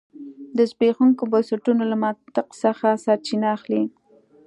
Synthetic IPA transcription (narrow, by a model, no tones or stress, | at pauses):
d̪əzbexuŋkobansaʈunolamɑt̪ɪqsəxasɑɾt͡ʃinaːxli